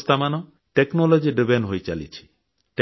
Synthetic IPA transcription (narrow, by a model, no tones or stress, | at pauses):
st̪amanɔ | ʈeknɔlɔd͡ʒiɖibeɳɖɦojt͡ʃalḭt͡ʃʰi̥ | ʈe